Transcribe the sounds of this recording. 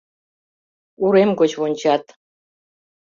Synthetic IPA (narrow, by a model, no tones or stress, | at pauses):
uɾemɡot͡ɕwonʲt͡ɕat̪